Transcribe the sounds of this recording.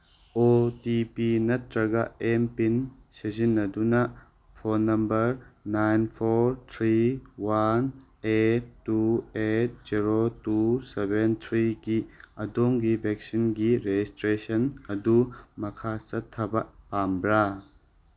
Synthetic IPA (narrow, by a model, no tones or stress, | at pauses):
otipinɐt̚ɾɐɡaempinsezinːɐdunɐ | pʰonːɐmbɐɾnajnpʰoɾt̪ʰɾiwan | etːuet̚z̥iɾotusɛbent̪ʰɾiɡiɐdoŋɡibʱɛk̚sinɡiɾed͡ʒistɾesɐnɐdumɐkʰat͡ʃɐtʰːɐbɐpambɾa